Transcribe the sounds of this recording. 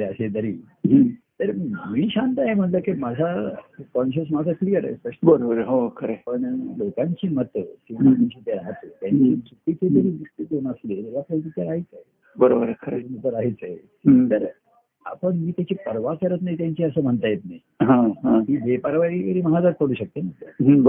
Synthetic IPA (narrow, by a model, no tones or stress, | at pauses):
ɾeəɕet̪əɾḭː | t̪əɾmiːɕant̪əaɦem̤əɳləkimad͡zʱakɔnɕ̬əs̬mad͡zʱaklijəɾa̰səʂbəɾobəɾəɦokʰəɾepəɳlokãɲt͡ɕiːmət̪simaiɕit̪jaɾaɦət̪ət̪jãɲt͡ɕisuʈ̪ːit͡sed̪əɾiːd̪isʈ̪it̪enəsleɾəɾiapəlt̪it̪jaɾaɦit͡saɦe | bəɾobəɾkʰəɾemət̪əɾaɦit͡saɦḛ | t̪əɾ | a̰pəɳmiːt̪jat͡ɕiːpəɾʋakəɾət̪najt̪jãɲt͡ɕiəsəːm̤əɳt̪ajet̪naj | ɦãɦãmiːbʱepəɾʋaikəɾiːməɦad͡zat̪̚kəɽuːɕək̚t̪em̤əɳlə̰ɦb